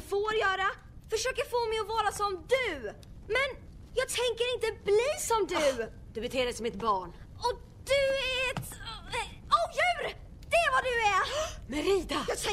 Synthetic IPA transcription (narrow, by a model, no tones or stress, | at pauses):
foːɾjœːɾa | fœʂøːkəɾfoːmɛjɔvɑːɾasɔmd̪ɵ | mɛn | jɑːɡ̚t̪ʰɛŋkəɾɪnt̪əbliːsɔmd̪ɵ | d̪̥ɵbɛt̪ʰeːd̪əsɔmɛt̪bɑːɳ | ɔ | d̪̥ɵæɾɛt̪ | ojʉːɾ | d̪̥ɛɛɾvad̪ɵæmɛɾiːd̪ajɑt̪ʰ